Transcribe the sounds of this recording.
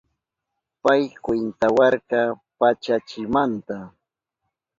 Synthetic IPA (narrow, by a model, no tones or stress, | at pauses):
pajkwɪnt̪awɑɾkɑ | pat͡ʃat͡ʃɪmant̪a